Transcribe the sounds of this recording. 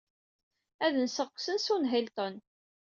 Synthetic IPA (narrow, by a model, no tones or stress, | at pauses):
æðənsəqːsənsunɦilt̪ˤən